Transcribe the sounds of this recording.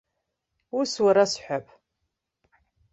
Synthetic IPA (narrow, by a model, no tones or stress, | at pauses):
uswaɾasħʷapʰ